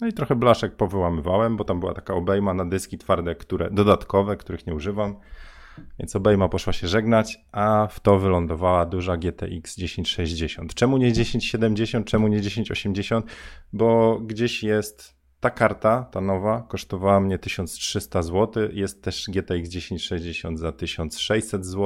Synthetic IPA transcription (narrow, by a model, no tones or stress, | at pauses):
nɔit̪ɾɔxɛblaʂɛk̚pɔvɘwamɘvawɛmbɔt̪ambɘwa̰t̪ḁkaɔbɛjmanad̪ɘskʲit̪faɾd̪ɛkt̪uɾɛ̰d̪ɔd̪at̪kɔvɛkt̪uɾɘxɲɛuʐɘvam | vʲjɛ̰ntsɔbɛjmapɔʂwaɕɛʐɛɡnat͡ɕʔaft̪ɔvɘlɔnd̪ɔvawad̪uʐaɡʲjɛt̪ɛ̰ʔikzd͡ʑeɕeɲt͡ɕʂɛʑd͡ʑeɕɔnt̪t͡ʂɛmuɲɛd͡ʑeɕeɲt͡ɕɕɛd̪ɛmd͡ʑeɕɔnt̪̚t͡ʂɛmuɲɛd͡ʑeɕeɲt͡ɕɔɕɛmd͡ʑeɕɔnt̪bɔɡd͡ʑeɕjɛst̪ː | akaɾt̪at̪anɔvakɔʂt̪ɔvawamɲɛt̪ɘɕɔnt̪stʂɘst̪azwɔt̪ɘjɛst̪ːɛʂɡʲjɛt̪ɛiɡzd͡ʑeɕeɲt͡ɕʂɛʑd͡ʑeɕɔnd̪zat̪ɘɕɔnt̪sʂɛjʲsɛd̪zwɔ